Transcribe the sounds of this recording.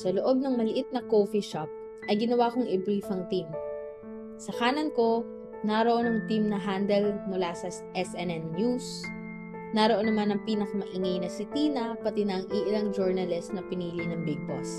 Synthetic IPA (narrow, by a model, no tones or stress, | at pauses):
sɐloʔo̞b̚nɐŋmɐlɪʔɪt̪̚nɐkofiʃap̚ | ʔɐjɡɪnɐwaːkoŋʔɛbɹifɐŋt̪im | sɐkaːnɐnko̞ | nɐɾoʔonɐŋt̪imnɐɦand̪ɛlmʊlasɐ | ʔɛsʔɛnɛnːjus | nɐɾoʔo̞nɐmanɐŋpiːnɐkɐmɐʔɪŋɐjnɐsɪt̪iːnɐpɐt̪ɪnɐɐŋʔiʔɪlaŋd͡ʒoɹnɐlɛst̪nɐpɪniːlɪnɐŋbɪɡ̚bɐs